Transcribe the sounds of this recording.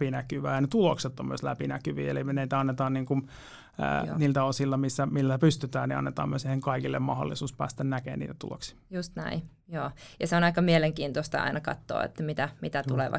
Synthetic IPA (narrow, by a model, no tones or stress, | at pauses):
inækyʋæːjɑnet̪ulokset̪ːommyøˑslæpinækyʋḭːelimneit̪æɑnːet̪ɑːnniːŋkun | ə̰niːlt̪æosilːɑmisːæmilːæpyst̪yt̪æːnniɑ̰nːet̪ɑ̰ːmyøseiheŋkɑikilːḛmmɑho̰lːisuːspæ̰ːst̪ænnækḛːnnḭːt̪æ̥t̪ṵlo̰ksi̥just̪næ̰i | joːjɑseonɑikɑmieleŋkiːnt̪ost̪ɑ̰ɑ̰inɑkɑ̰t̪ːo̰ːḛt̪ːæmit̪æmit̪æt̪ulḛʋɑ̰